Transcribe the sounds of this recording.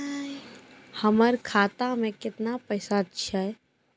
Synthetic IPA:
həməɾkʰaːt̪amẽkɪt̪napəjsaətːʃʰaɦɛ

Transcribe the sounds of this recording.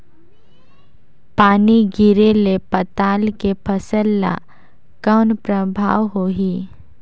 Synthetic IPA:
paːniɡɪɾelepət̪aːlkepʰəsəlːa̰ | kəːnpɾəbʱa̰ːʋɦoːɦi

